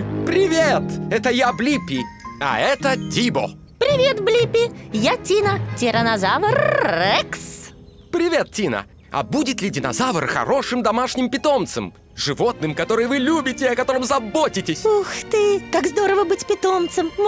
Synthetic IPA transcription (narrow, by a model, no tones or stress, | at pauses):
pɾʲɪvʲet̪ɛt̪əjablʲipʲːɪɐ̰ɛt̪ətʲibo̰ | pɾʲɪvʲe̞t̪blʲipʲɪjatʲinətʲɪɾənɐzavərɛks | pɾʲɪvʲe̞t̪̚tʲinə̰ | ɐ̰budʲɪt̪lʲɪdʲɪnɐ̰zavərxɐ̰ɾo̞ʂɨmd̪ɐmaʂnʲɪmpʲɪt̪o̞mt̪səm | ʐɨvo̞t̪̚nɨmkɐt̪o̞ɾɨjvɨlʲubʲɪtʲɪɐkɐt̪o̞ɾɨmzɐbotʲɪtʲɪsʲuxt̪ɨt̪akzd̪oɾəvəbɨtʲpʲɪt̪omt̪səm